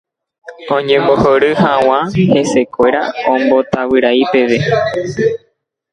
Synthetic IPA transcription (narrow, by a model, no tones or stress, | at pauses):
õɲẽmbohoɾɨhãw̃ãhe̞se̞kʷe̞ɾaõmbo̞t̪awɨɾaipe̞ʋe̞